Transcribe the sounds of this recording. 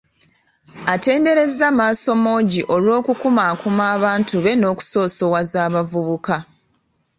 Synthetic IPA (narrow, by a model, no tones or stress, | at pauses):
ate̞ːnde̞ɾe̞zamaːso̞mo̞ːɟiʔo̞lwo̞ːkukumaːkumaːβaːntuβe̞no̞ːku̥so̞ːso̞wazaːβavuβuka